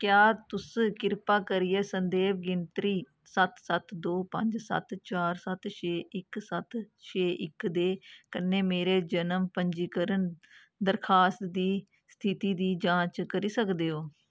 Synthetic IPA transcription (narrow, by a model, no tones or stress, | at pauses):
kjaːt̪ʊskɪɾpaːkəɾijeːsənd̪eːʋɡɪnt̪ɾiː | sət̪sət̪d̪oːpəɲd͡ʒsə̰t̪t͡ʃaːɾsət̪t͡ʃʰeːʔɪksət̪t͡ʃʰeːʔɪkd̪eːkənːeːmeːɾeːd͡ʒənəmpəɲd͡ʒiːkəɾən | d̪əɾkʰaːst̪d̪iː | st̪ʰɪt̪iːd̪iːd͡ʒãːt͡ʃkəɾiːsəkd̪eːɦoː